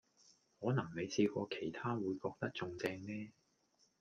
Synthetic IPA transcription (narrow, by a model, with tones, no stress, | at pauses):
hɔː˨˥nɐ˨˩ŋne˨˧jt͡sʰiː˧kɔː˧kʰe˨˩jt̪ʰaː˥wuː˨˧jkɔː˧k̚t̪ɐ˥k̚t͡sʊ˧ŋt͡sɛː˧ŋnɛː˥